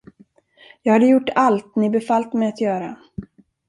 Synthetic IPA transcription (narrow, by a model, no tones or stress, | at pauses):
jɑːɡhad̪əjʊʈːalt̪nɪbɛfalt̪mɛjat̪jœːɾa